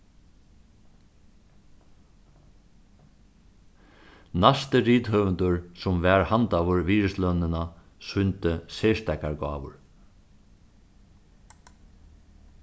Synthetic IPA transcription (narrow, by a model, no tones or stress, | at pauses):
nast̪əɾiːt̪ɦœːvənt̪ʊɹsʊmvɛːɹhant̪aʋʏɹviːɹɪslœnːɪna | sʏnt̪ɪsɛːʂt̪ɛkaɹɡɑ̰ːʋʊ̰ɹ